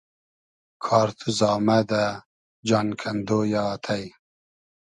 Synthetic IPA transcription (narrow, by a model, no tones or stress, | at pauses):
kʰɑːɾt̪ʰuzɑːmad̪a | d͡ʒɑːnkʰɐnd̪ojɑt̪ʰaj